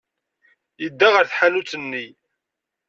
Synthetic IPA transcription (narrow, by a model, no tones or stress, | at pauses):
jəd̪ːaʁəɾθħanut͡sːənːi